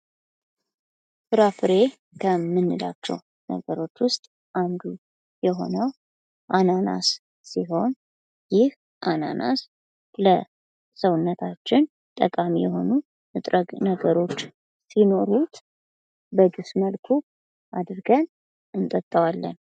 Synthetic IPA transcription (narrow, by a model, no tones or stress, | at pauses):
fɨɾafɨɾe̞ | kʰəmːɨnːɨla̰t͡ʃːɛ̰w | nə̰ɡəɾo̞t͡ʃːwʊst̪ʼ | ʔand̪u | jɛɦo̞̰nəw | ʔanana̰s | siɦo̞n | jɪh | ʔana̰nʔa̰s | lə | səwʊnːət̪ʰat͡ʃːɪn | t̪ʼəkʼamijɛho̞nu | mɨt̪ʼɾəɡnəɡəɾo̞t͡ʃː | sino̞ɾut̪ | jbəd̪ɨsməlkʰu | ʔad̪ɾɡən | ɨnt̪ʼət̪ʼːəwalːə̰n